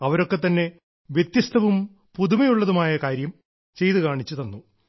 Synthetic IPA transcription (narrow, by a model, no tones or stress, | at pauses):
ɐʋɐɾo̞kːe̞t̪ːɐnːe̞ | ʋjet̪jɐst̪ʰɐʋum | puðumɐjuɭːɐðumaːjɐkaːɾjɐm | t͡ɕe̞jt̪ukaːɳit͡ɕːut̪ɐnːu